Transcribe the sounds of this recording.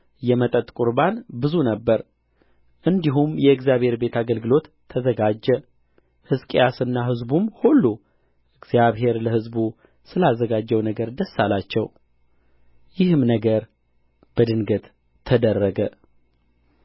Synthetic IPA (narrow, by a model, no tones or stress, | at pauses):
jɛmət̪ʼət̪ʼkʼuɾbanbɨzunəbːəɾ | ʔɨnd̪iɦumjɛɨɡzjaβhe̞ɾbe̞t̪ʰaɡəlɡɨlo̞t̪ʰːəzəɡad͡ʒːɛ | hɨskʼejasɨnːaɦɨzbumhulːu | ʔɨɡzijaβhe̞ɾləhɨzbu | sɨlazːəɡad͡ʒːɛwnəɡəɾd̪əsːalat͡ʃːɛw | jɪhɨmnəɡəɾ | b̥əd̪ɨnɡət̪ | t̪ʰːəd̪ərːəɡə